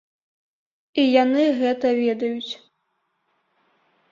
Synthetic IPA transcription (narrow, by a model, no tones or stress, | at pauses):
ijanɨɣɛt̪ɐvʲɛd̪ɐjut͡sʲ